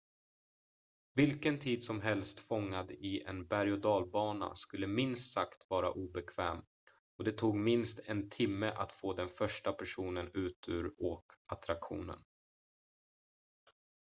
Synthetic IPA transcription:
vɪlkənt̪ʰiːd̪sɔmɦɛlst̪fɔŋːad̪ɪɛ̰nbæɾjʊd̪ɑːlbɑːna̰skɵlːəmɪnst̪sakt̪vɑːɾa̰ʔuːbɛkʰvɛ̰ːm | ɔd̪ɛt̪ʰuːɡmɪnst̪ɛnt̪ʰɪmːəʔat̪foːd̪ɛnfœʂʈapʰæʂuːnənʉ̟ːt̪ʰʉ̟̰ːɾɔkʔat̪ɾakɧṵːnə̰n

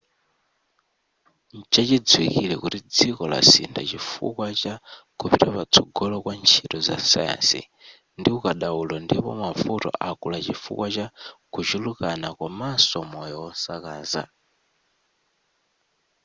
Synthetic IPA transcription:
t͡ʃat͡ʃid͡zwikilɛkutid͡zikɔla̰sḭndat͡ʃifṵkwat͡ʃakʰupiɾapat͡sʰɔɡɔlɔkwant͡ʃʰitɔza̰saja̰nsḭ | ndiukaɗaulɔndipɔ̰mafutɔ̰ʔakulat͡ʃifṵkwat͡ʃakʰut͡ʃulukanakwamasɔmɔjɔwɔnsakaːza̰

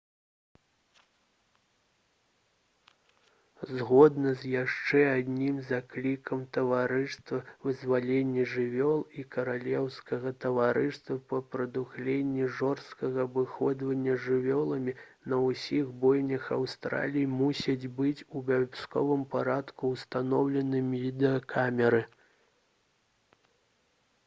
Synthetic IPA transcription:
zɣɔd̪nɐzʲjaʂt͡ʂɛad̪ʲnʲimzaklʲikɐmt̪ɐvaɾɨʂt̪vɐvɨzvalʲenʲːɛʐɨvʲɔlˠikɐɾalʲɛwskɐɣɐt̪ɐvaɾɨst̪vɐpɐpɾɐd̪uxlʲenʲːiʐɔrst̪kɐɣɐbɨxɔd̪vɐnʲːɐʐɨvʲɔlˠɐmʲinɐwusʲiɣbɔjnʲɐxawst̪ɾa̰lʲijimusʲɐd͡zʲbɨt͡sʲubʲabʲskɔ̰vɨmpaɾat̪kuːst̪anɔwlʲɛnɨmʲivʲid̪ɛɐkʰamʲɛɾɨ

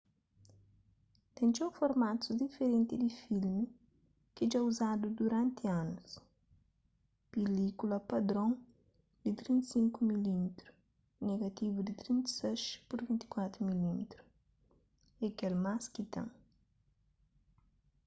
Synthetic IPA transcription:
t̪ɛ̃nt͡ʃofoɾmat̪ud̪ifeɾẽnt̪id̪ifilmi | kid͡ʒauzad̪ud̪uɾãnt̪ianus | pelikulɐpɐd̪ɾõŋ | d̪̥it̪ɾĩnt̪sĩŋkumilimit̪ɾu | neɡɐt̪ivud̪it̪ɾĩnt̪sɛʃpuɾvĩnt̪i̥kwat̪ɾumilimt̪ɾu̥ | ekelmaskit̪ã̰ŋ

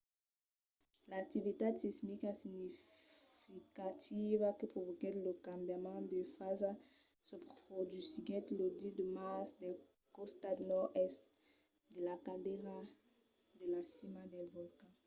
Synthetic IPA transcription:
lak̚t̪ivit̪esismikɛsinifikat̪ivakəpχovɔkɛləkãmbjamɑ̃d̪əfaza | səpχod̪ysiɡɛ̃t̪lod̪id̪əmasd̪ɛl | kɔst̪ad̪nɔʁɛst̪ | d̪əlakadeʁa | d̪əlasimad̪ɛlvɔlkã

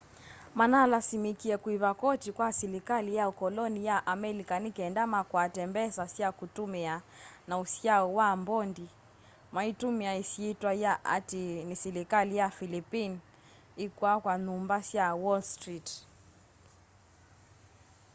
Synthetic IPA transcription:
manaːlasimikiɛkuiβakɔtikwasiɾikalijaukɔlɔnijaʔamɛlikanikɛndamakwatɛmbɛsasjakutumɛa | nausjaɔwambɔndi | maitumiaisiitwajaʔa̰tinisɛlikalijafilipin | ikwakwanumbasjawɔlstɾit

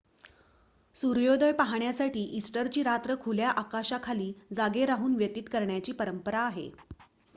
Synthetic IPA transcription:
suɾjod̪əjpaɦaɳjasaʈiːʔisʈəɾt͡ɕiːɾat̪ɾəkʰuljaʔakaɕakʰaliːd͡zaɡeɾaɦuːnʋjət̪iːt̪kəɾɳjat͡ɕiːpəɾəmpəɾaːɦḛ

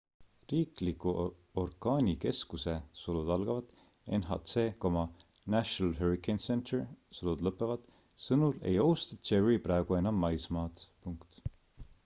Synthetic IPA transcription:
riːklikːu | orkɑːnʲike̞skusesolud̪̥ɑlɡ̥ɑvɑd̪̥ | e̞̰nɦɑ̰t̪seːko̞mɑ | næɕonɑlɦeɾikensent̪ersolud̪lɤpːˑevɑd̪̥ | sɤnule̞̰jowst̪ɑt͡ʃeɹiprɑeɡ̥ue̞nɑmːɑjsmɑːd̪puŋkt̪

